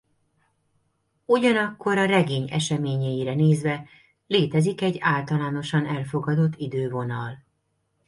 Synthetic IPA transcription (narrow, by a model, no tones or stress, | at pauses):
uɟɒnɒkːo̞ɾɒrɛɡeːɲɛ̰ʃɛmeːɲɛjiɾɛneːzʋɛ | leːt̪ɛzikɛɟːaːlt̪ɒlaːno̞ʃɒnɛlfo̞ɡɒd̪o̞t̪ːid̪øːvo̞nɒl